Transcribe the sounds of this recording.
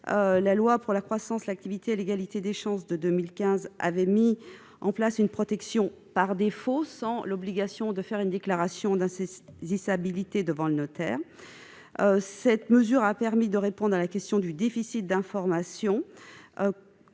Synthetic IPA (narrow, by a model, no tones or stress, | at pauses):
ølalwapuʁlakχwasɑ̃slak̚t̪ivit̪eːleɡalit̪ed̪eʃɑ̃sd̪əd̪ømilkʲɛ̃za̰vɛmi | ɑ̃plasynpχɔt̪ɛksjɔ̃ | paʁd̪efosɑ̃lɔbliɡʲasjɔ̃d̪əfɛʁynd̪eklaʁasjɔ̃d̪ɛ̃zisabilit̪ed̪əvɑ̃lənɔt̪ɛːʁ | sɛt̪məzyʁapɛʁmid̪əʁepɔ̃d̪ʁalakʲɛst̪jɔ̃d̪yd̪efisit̪̚d̪ɛ̃fɔʁmasjɔ̃